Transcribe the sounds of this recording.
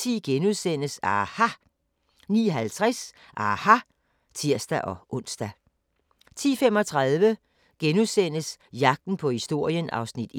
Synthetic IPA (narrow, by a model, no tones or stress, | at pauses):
t͡sʰḭːɡ̥enuðˠsen̰əsɑːhɑ | nḭːɦælt͡sʰʁɛs | ʔɑːhɑ | t͡sʰiɐ̰sd̥æʔɒ̽ʔɔ̽n̰sd̥æ | t͡sʰḭːfemɒ̽t͡sʰʁɑðˠʋə | ɡ̥enuðˠsen̰əsjɑ̈ɡ̥̚d̥n̩pʰɒ̽hisd̥o̝ɐ̰jənʔɑ̈ʊsnid̥i